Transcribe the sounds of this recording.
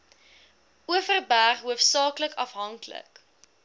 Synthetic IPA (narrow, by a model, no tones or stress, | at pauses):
uəfərbæχɦuəfsɑːkləkɐfɦɐŋklə̰k